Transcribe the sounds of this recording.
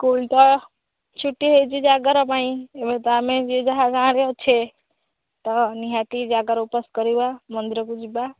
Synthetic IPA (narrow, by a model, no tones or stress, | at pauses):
kult̪ɔ | t͡ʃʰuʈːiɦejt͡ʃid͡ʒaɡəɾəpaĩebet̪amẽd͡ʒed͡ʒəɦad͡ʒãɾeɦot͡ʃʰe | t̪ɔniɦat̪id͡ʒaɡəɾupəskəɾibamə̃nd̪iɾəkud͡ʒiba